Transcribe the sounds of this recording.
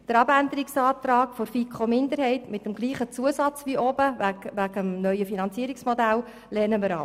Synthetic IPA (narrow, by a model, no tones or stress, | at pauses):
d̥əɾɑbænd̪əɾiksɑːt̪ɾɑːkfoɾfikχomɪndəɾhɛɪtmɪtəmɡliːχət͡suəsɑt͡sʋiʔɔbəæʋæɡəmnœʏəfinɑnt͡siːəɾiksmod̪æl | lɛrnəməɾɑ̰ː